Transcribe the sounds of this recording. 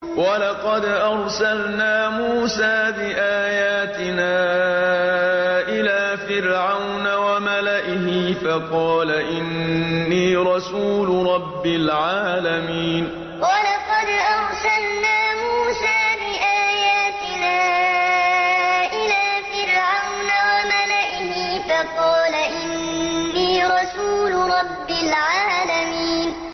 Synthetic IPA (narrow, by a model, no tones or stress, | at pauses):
walɑqɑd̪ʔɑɾˤsalnaːmuːsaːbɪʔaːjaːt̪ɪnaː | ʔɪlaːfɪɾʕawnawamalaʔɪhɪfɑqɑːlaʔɪnːiːɾˤɑsuːlɾˤɑbːɪlʕaːlamiːn | walɑqɑd̪ʔɑɾsalnaːmuːsaːbɪʔaːjaːt̪ɪnaː | ʔɪlaːfɪɾʕawnawamalaʔɪhiːfɑqɑːlaʔɪnnːiːɾˤɑsuːlɾˤɑbːɪlʕaːlamiːn